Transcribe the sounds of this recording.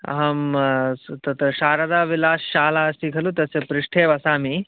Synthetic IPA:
ɐ̰ɦɐm | t̪ɐt̪ɐɕaːɾɐd̪aːʋilaːsːaːlaɐsikʰɐlut̪ɐsepɾɪʂʈʰeːʋɐsaːmi

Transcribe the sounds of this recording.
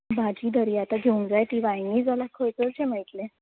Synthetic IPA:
bʱad͡ʑiːd̪ʱəɾiːat̪aɡʱeũŋɡd͡zajt̪iʋajniːd͡zalakʰojt͡sət͡ɕẽməit̪lẽ

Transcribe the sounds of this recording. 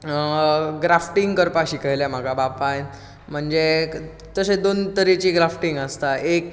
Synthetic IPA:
ɡɾafʈiŋɡkəɾpaɕikəjljam̤aɡʱabapae | m̤əɳd͡ze | t̪əsed̪ont̪əɾit͡ɕiːɡɾafʈiŋɡəst̪aʔek

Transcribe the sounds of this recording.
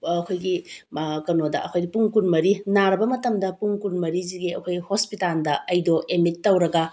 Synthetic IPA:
ɐkʰojɡikɐnodɐ̰ɐkʰojɡipuŋkunmɐɾinaɾɐbɐmɐtɐmdɐpuŋkunmɐɾiziɡiɐkʰojɡihospitalndɐɐjdoʔemitːɐwɾɐɡɐ

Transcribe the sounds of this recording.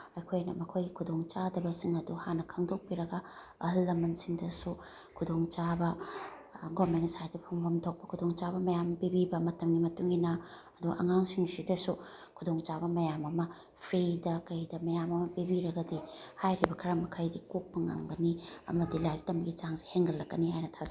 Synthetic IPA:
ɐjkʰojnɐ̰mɐkʰojɡikʰudoŋt͡ʃadɐbɐsiŋɐduhanːɐkʰɐŋdok̚piɾɐɡɐ | ɐɦɐlːɐmɐnsiŋdɐsu | kʰudoŋt͡ʃabɐ | ɡomensajdipʰoŋbɐmtʰok̚pɐ̥kʰudoŋt͡ʃabɐmɐjampibibɐmɐtɐmɡimɐtuŋinɐɐduʔɐ̰ŋaŋsiŋsidɐsu | kʰudoŋt͡ʃabɐmɐjamɐmɐ | pʰɾidɐkɐjdɐmɐjamɐmɐpibiɾɐɡɐdihajɾibɐkʰɐɾɐmɐkʰajdikuk̚pɐŋa̰ŋɡɐniɐ̰mɐdilajk̚tɐmɡit͡ʃaŋse̥heŋɡɐlːɐkːɐnihajnɐtʰas

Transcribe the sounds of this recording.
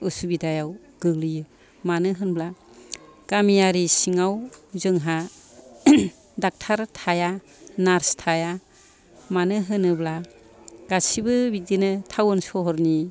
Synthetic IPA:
ɯsubidajaw | ɡ̥ɯɡlɯjɯ | manɯɦɯnbla | ɡ̥amijaɾisiŋawzɯŋɦa | dak̚tʰaɾtʰaja | naɾstʰaja | manɯɦɯnɯbla | ɡ̥asibɯbik̚dinɯtʰawɯnsɔɦɔɾni

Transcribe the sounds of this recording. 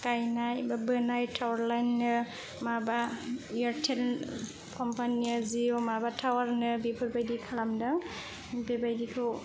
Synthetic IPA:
kajnajbabɯnajtʰawɹlajnːɯ | mabaiɔɹtʰɛl | kʰɔmpʰaniaziɔmabatʰawaɹnɯbipʰɔɾbajdikʰalamdaŋ | bebajdikʰɯw

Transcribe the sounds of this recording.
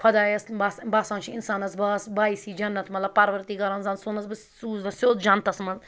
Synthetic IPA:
pʰɐd̪aːjɐsbasbaːsãːnt͡ʃʰiinsaːnɐsbɐsbaːisiːd͡ʒɐnːɐt̪mɐt̪lɐbpɐɾʋɐɾt̪iːɡɐɾɐ̃nzãnsoːnɐsbɐssuːzɐnsjoːd̪d͡ʒɐ̃nt̪ɐsmɐn

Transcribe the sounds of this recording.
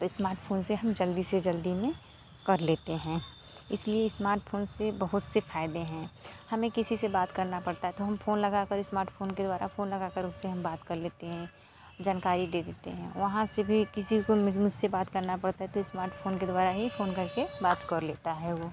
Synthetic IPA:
t̪oɪsmaːɾʈpʰoːnseɦɐmd͡ʒɐld̪ised͡ʒɐld̪imẽ | kɐɾleːt̪eɦɛ̃ː | ɪslieɪsmaːɾʈpʰoːnsebɐɦʊt̪sefaːɪd̪eɦɛ̃ːhɐmẽkɪsisebaːt̪kɐɾnapɐɽt̪aɦɛt̪oɦɐmfoːnlɐɡakəɾɪsmaːɾʈpʰoːnked̪waːɾa̰foːnlɐɡakəɾʊsːeɦɐmbaːt̪kɐɾleːt̪eɦɛ̃ | d͡ʒaːnkaːɾid̪eːd̪eːt̪ḛɦɛ̃ʋɐɦãsebʱikɪsikommʊd͡ʒʱsebaːt̪kɐɾnapɐɽt̪aɦɛt̪oɪsmaːɾʈpʰoːnked̪waːɾaɦifʰoːnkɐɾkebaːt̪kəɾleːt̪aɦɛʋoː

